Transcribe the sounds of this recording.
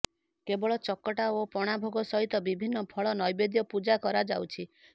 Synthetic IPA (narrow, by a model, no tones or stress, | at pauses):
kebɔɭɔt͡ʃɔkːɔʈaopɔɽ̃abʱoɡɔsɔɦit̪ɔbibʱinːɔpʰɔɭɔnɔjbed̪jɔpud͡ʒakɔɾad͡ʒawt͡ʃʰi